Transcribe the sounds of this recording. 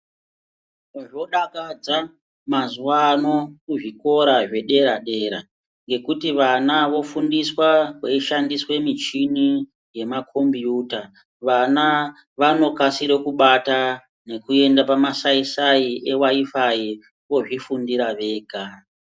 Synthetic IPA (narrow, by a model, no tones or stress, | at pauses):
ʐo̞ɗakad͡za | mazuano̞kuʐiko̞ɾaʐe̞ɗe̞ɾaɗe̞ɾa̰ | ŋɡe̞kutiʋanaʋo̞fundiswakweiʃandiswe̞mit͡ʃini | je̞makʰombiuːta | ʋana | ʋano̞kasiɾekuɓata | ne̞kue̞ndapamasaisaiʔewaifai | wo̞ʐifundiɾaʋe̞ːɡʱa